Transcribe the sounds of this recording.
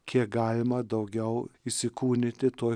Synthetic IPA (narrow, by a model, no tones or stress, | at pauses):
kʲʰiɛk̚ɡɑːlʲɪmɐd̪ɐʊɡʲɛʊɪsʲɪkuːnʲɪt̪ʲɪt̪oː